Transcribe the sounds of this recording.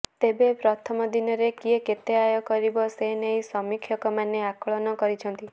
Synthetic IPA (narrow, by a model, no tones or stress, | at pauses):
t̪ebepɾɔt̪ʰɔmɔd̪inɔɾekieket̪eajɔkɔɾibɔsenejsɔmikʰjɔkɔmaneakɔɭɔnɔkɔɾit͡ʃʰɔnt̪i